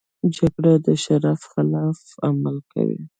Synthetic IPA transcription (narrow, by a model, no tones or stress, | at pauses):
d͡ʒaɡɽad̪əʃaɾafxɪlɑfamalkʰa̰wḭ